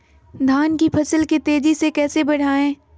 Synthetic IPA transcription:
d̪ʱaːnkipʰɐsəlkit̪eːd͡ʒisekɛːsebɐɽ̤aːẽː

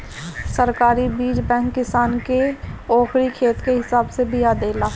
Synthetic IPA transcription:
səɾkaːɾibiːd͡ʒbɛ̃ːŋkːɪsaːnkeɔːkɾikʰeːt̪keɦɪsaːbsebɪjad̪eːlaː

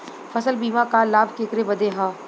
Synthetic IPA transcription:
fʰɐsəlbiːmãkalaːbʱkeːkɾebɐd̪eɦãː

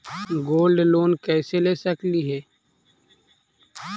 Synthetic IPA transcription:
ɡoːlɖloːnkɛːseleːsəkliɦɛː

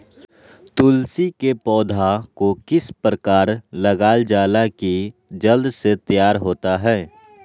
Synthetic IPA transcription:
t̪ʊlsikepɔːd̪ʱakokɪspɾəkaːɾləɡaːld͡ʒaːlakid͡ʒəld̪set̪əjaːɾɦoːt̪aɦɛː

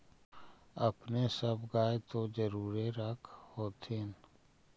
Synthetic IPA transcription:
əpnesəbɡaːet̪od͡ʒəɾuːɾeɾəkʰhoːt̪ʰen

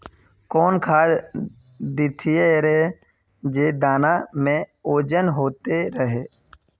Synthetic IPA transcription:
koːnkʰaːd͡ʒ | d̪ɪt̪ʰɪeɾeː | d͡ʒeːd̪aːnaːmẽːoːd͡ʒənɦoːt̪eɾəɦeː

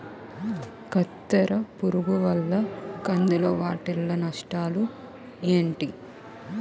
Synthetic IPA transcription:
kɐt̪ːɐɾɐpuɾuɡuʋɐlːɐkɐnd̪uloːʋaːʈilːɐnɐʂʈaːlu | eːɳʈi

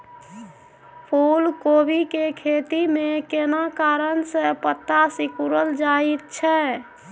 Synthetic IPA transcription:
pʰulkobikekʰet̪imẽkenakaɾənsəpət̪ːasikuɾəld͡ʒait̪̚t͡ʃʰɛ

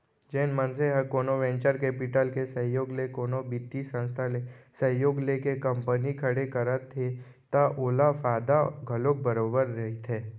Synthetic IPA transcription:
d͡ʒeːnmənseɦɐkoːnoʋɛ̃ːɲt͡ʃəɾkeːpɪʈəlkesə̃ɦjoːɡlekoːnobɪd̪ːisə̃nst̪ʰalesə̃ɦjoːɡlekekɐ̃mpənikʰəɽekɐɾət̪ʰːe | t̪aʔoːlafaːd̪aɡʱɐloːk̚bəɾoːbəɾːɐɦit̪ʰeː

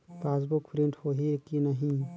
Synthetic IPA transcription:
paːs̬bukpʰɾĩɳʈhoɦikinɐɦĩ

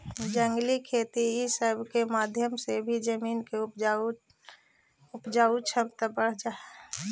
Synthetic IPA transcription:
d͡ʒəŋɡlikʰeːt̪iisəbʱkemaːd̪ʱjəmsebʱid͡ʒəmiːnkeʊpa | ʊpd͡ʒaːut͡ʃʰəpt̪əbəɽ̤d͡ʒaːe

